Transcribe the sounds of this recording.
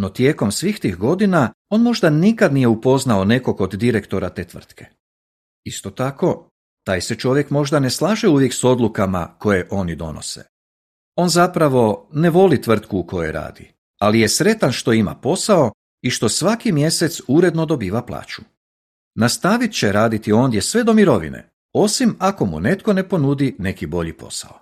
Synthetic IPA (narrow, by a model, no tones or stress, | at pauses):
no̞t̪je̞ːko̞msʋiːxt̪iːxɡo̞d̪ina | o̞ːnmo̞ʒd̪anikad̪nije̞upo̞znaone̞ko̞kod̪d̪iɾekt̪o̞ɾat̪e̞ːt̪ʋr̩t̪kʰe̞̥ | ist̪o̞t̪ako̞ | t̪aːjset͡ʃo̞ʋjekmo̞ʒd̪ane̞slˠaːʒeuʋje̞kso̞d̪lukama̰ko̞jeʔo̞nid̪o̞̰no̰sḛ | o̞ːnzapɾaʋo̞ne̞ʋo̞lit̪ʋr̩t̪kuːko̞jḛɾa̰ːd̪i | alije̞sɾe̞t̪anʃt̪o̞ima̰po̞sao̞ | iʃt̪o̞sʋakimje̞set̪suɾe̞d̪no̞d̪o̞biːʋaplˠa̰ːt͡ɕu̥ | nast̪aʋit̪t͡ɕe̞ɾaːd̪it̪io̞ːnd̪je̞sʋe̞d̪o̞miɾo̞ʋḭnḛ | o̞simako̞mṵne̞t̪ko̞ne̞po̞nud̪ine̞kibo̞ʎipo̞̰sa̰o